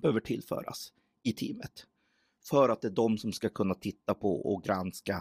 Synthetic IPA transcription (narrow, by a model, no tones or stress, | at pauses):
b̥əhøːvəʈʰɪlːfœ̰ːɾa̰s | ɪt̪ʰiːmət̪ | fœɾat̪̚d̪ɛːɖɔmsɔmskakʰɵnːat̪ʰɪt̪ːapʰɔ̰ɔɡɾanska